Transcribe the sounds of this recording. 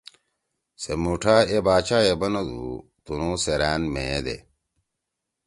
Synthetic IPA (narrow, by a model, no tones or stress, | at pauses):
semuʈʰaːebaːt͡ɕaːebɐnɐd̪ṵ | t̪unoːseɾæːnmḛd̪ḛ